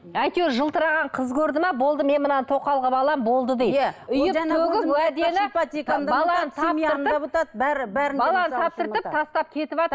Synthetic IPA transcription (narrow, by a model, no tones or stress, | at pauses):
æjt̪eʒəlˠt̪əɾɑʁɑɴqʰəzkʲʰɵɾd̪ɪmɑbo̞lˠd̪əme̞nmənɑnt̪ʰo̞qɑlˠʁɑbɑlˠɑmbo̞lˠd̪əd̪ejʊjənʰɵɡʲɪwæd̪enɪpat̪iknbɑlˠɑnt̪ʰɑməɾnot̪ɑt̪bɾbæɾnbɑlˠɑnət̪ʰɑp̚t̪əɾt̪əp̚t̪ʰɑst̪ɑp̚kʲʰe̞t̪ɪpɑt̪